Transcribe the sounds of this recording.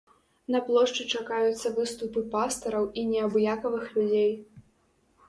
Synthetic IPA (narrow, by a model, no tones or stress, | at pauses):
nɐplˠɔʂt͡ʂɨt͡ʂakajut̪sːɐvɨst̪upɨpast̪ɐɾɐwinʲɛɐbjakɐvɨxlʲud͡zʲej